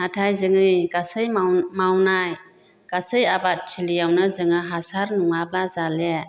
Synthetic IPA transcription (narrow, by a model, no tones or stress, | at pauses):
natʰajzɯŋɯjɡasɯjmawnaj | ɡ̥asɯjabatʰilijawnɯzɯŋaɦasaɾnuŋap̚lazale